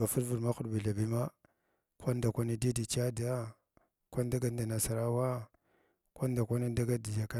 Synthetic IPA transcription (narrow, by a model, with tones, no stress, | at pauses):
a˨fu˦ɾvu˨ɾma˦xu˦ɾbi˨ɮa˨bi˦ma˦ | kʷa˦nda˨kʷa˦ni˦di˦di˨t͡ʃa˦da˦ | kʷa˦n˦da˦ɡa˦n˦da˨na˨sa˨ɾa˦wa˦ | kʷa˦n˦da˨kʷa˦ni˦da˦ɡa˦di˨d͡ʒa˨ka˦